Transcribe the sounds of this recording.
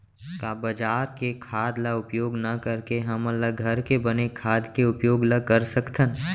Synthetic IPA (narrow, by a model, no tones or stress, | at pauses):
kabɐd͡ʒaːɾkekʰaːd̪laʊpjoːɡnɐkəɾkeɦɐmɐləɡɡʱɐɾkebɐnekʰaːd̪keʊpjoːɡləkɐɾsəkt̪ʰən